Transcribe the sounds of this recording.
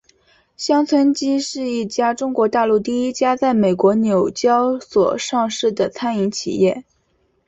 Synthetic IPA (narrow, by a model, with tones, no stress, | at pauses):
ɕjɑ˥ŋt͡sʰwə˥nt͡ɕi˥ʂɻ̩˥˧i˥˩t͡ɕja˥ʈ͡ʂʊ˥ŋkwɔ˧˥t̪a˥˧lu˥˧t̪i˥˩i˥t͡ɕja˥t͡sa˥˩ɪme˨˩ɪkwɔ˧˥njo˨˩ʊt͡ɕjɑ˥ʊswɔ̰˨˩ʂɑ˥˧ŋʂɻ̩˥˩d̪ə˩t͡sʰa˥ni˧˥ŋt͡ɕʰḭ˨˩jɛ˥˩